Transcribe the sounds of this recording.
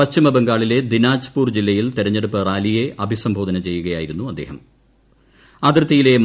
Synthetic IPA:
ɐst͡ɕimɐbeŋɡaːɭile̞d̪inaːt͡ɕɐ̥puːrd͡ʑilːɐjilt̪iɾɐɲːeɽupːɨraːlijeʔɐbʱisɐmbʱo̞ːd̪ɐnɐt͡ɕe̞jːuɣɐjaːjiɾunːuɐd̪ːe̞ːɦɐm | aːd̪rɐt̪ːɐjile̞m

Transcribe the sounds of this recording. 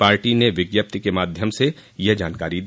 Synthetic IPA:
paːɾʈineʋɪɡjəp̚t̪ikemaːd̪ʱjəmsejɐd͡ʒaːnkaːɾid̪

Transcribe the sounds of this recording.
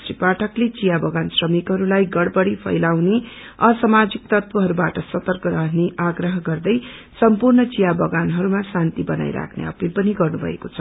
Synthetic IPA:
sripaʈʰʌklet͡sijabʌɡansrʌmikɦʌɾulajɡʌɽbʌɽipʰʌ̰jlawne | ʌsʌmad͡zik̚t̪ʌt̪wʌɦʌɾubaʈʌsʌt̪ʌrkʌɾʌɦneʔaɡrʌɦʌɡʌrd̪ʌj | sʌmpurnʌt͡sijabʌɡanɦʌɾumasant̪ibʌna̰jɾa̰kʰnḛʌ̰pilpʌniɡʌrnubʱʌ̰ḛkot͡sʰʌ

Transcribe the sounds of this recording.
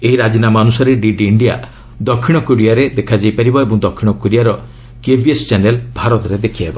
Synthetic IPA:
eɦiɾad͡ʒinamɔɔnusaɾeɖiɖiːɳɖija̰ | d̪ɔkʰːiɽ̃ɔkoɽijaɾed̪ekʰad͡ʒajpaɾibɔebɔŋd̪ɔkʰːiɽ̃ɔkoɽijaɾɔ | kebʱiest͡ʃanelbʱaɾɔt̪ɾed̪ekʰiaebɔ

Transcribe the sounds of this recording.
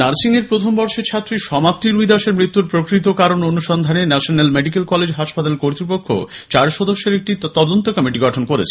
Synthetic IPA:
naɾsiŋeɾpɾot̪ʰombɔɾʃet͡ɕʰat̪ːɾiʃɔmap̚t̪iɾujd̪aʃeɾmɾit̪ːuɾpɾokɾit̪̬okaɾononuʃɔnd̪ʱanenɛʃonalmeɖikelkɔled͡ʑɦaʃpat̪alekoɾt̪ɾipokʰːo̰ | t͡ɕaɾʃɔd̪oʃːeɾek̚ʈit̪ɔd̪ont̪okɔmiʈiɡɔʈʰonkoɾḛt͡ɕʰe̥

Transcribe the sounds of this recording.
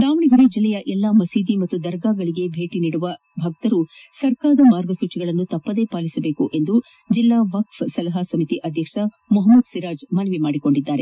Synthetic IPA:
d̪aːʋɐɳiɡɐɾed͡ʒilːɛjɐʔɛlːamɐsiːd̪imɐt̪ːud̪ɐɾɡaːɡɐɭiɡe̞bʱe̞ːʈiniːɽuʋɐ | bʱaːɡ̚t̪ɐɾu | sɐɾkaːd̪ɐmaːɾɡɐsuːt͡ʃiɡɐɭɐnːut̪ɐpːɐd̪e̞paːlisɐbe̞ːkuʔe̞nd̪u | d͡ʒilːaːʋɐkfsɐlɐɦɐsɐmit̪iʔɐd̪ʱjɐkʂɐ | mɔɦɐmːɐd̪siɾaːd͡ʒmɐnɐʋimaːɽiko̞ɳɖid̪ːaːɾe

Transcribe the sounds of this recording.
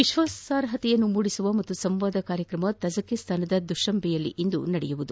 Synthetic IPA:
ʋiʃʋɐsaːɾɦɐt̪ɛjɐnːumuːɽisuʋɐmɐt̪ːusɐmʋaːd̪ɐkaːɾjɐkɾɐmɐt̪ɐd͡ʒɐkːest̪ʰaːnɐd̪ɐd̪uʃɐmbʱɛjɐlːḭʔind̪unɐɽɛ̰juʋud̪u

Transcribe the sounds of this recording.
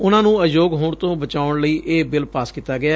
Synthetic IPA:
ʊnãːnũːəjoːɡɦoːɳt̪õːbət͡ʃaːʊɳləiːʔeːbɪlpaːskiːt̪ːaːɡɪaː

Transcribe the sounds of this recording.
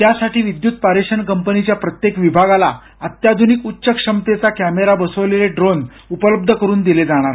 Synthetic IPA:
t̪jasaʈiːʋid̪jut̪̚paɾeɕənkəmpənit͡ɕjapɾət̪jekʋibʱaɡala | ət̪jad̪ʱunikutːɕəkʂəmt̪et͡sakæmeɾabəsəʋleleɖɾon | upələb̚d̪ʱəkəɾuːnd̪iled͡zaɽ̃aɾ

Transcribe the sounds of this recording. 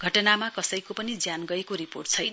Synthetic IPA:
ɡʱʌʈʌnamakʌsʌjkopʌnid͡zjanɡʌekoɾipo̰rʈ̚t͡sʰʌjnʌ

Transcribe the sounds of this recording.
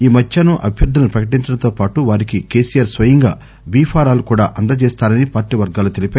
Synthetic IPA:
iːmɐtjɐnuʔɐ̰bʱjɐɾd̪ʱːɐnupɾɐkɐʈiɲt͡ʃɐnɐt̪oːpaːʈuʋaːɾikike̞ːsijaːɾsʋɐjɐŋɡa̰ː | biːpʰaːɾaːlukuːɽaːʔɐnd̪ɐt͡ʃɛːst̪aːɾɐnipaːɾʈiːʋɐɾɡaːlut̪elipeː

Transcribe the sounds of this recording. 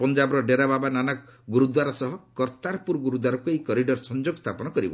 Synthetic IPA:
pɔnd͡ʒabɔɾɔɖeɾababananaɡuɾud̪waɾɔsɔɦɔkɔɾt̪aɾpuɾɡuɾud̪waɾɔkuejkɔɾiɖɔɾsɔnd͡ʒoɡɔst̪ʰapɔnɔkɔɾibɔ̰

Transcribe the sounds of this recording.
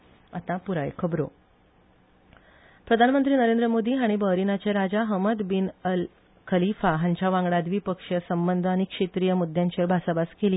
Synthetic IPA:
at̪ãpuɾajḛkʰəbɾo̰ | pɾəd̪ʱanmənt̪ɾiːnəɾend̪ɾəmod̪iːɦaɽ̃ibəɦɾinat͡ɕeɾad͡zaɦəməd̪binəl | kʰəlifaɦãɲt͡ɕjaʋãŋɡɽad̪ʋiːpəkʂəsəmbənd̪ʱəaɽ̃ikʂet̪ɾijəmud̪ʱjaɲt͡ɕeɾbʱasabaskeli

